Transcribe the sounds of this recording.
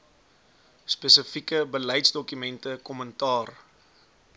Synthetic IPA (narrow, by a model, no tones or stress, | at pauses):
spɛsəfikəbəlɛjtsdɔkymɛntəkɔməntɑːr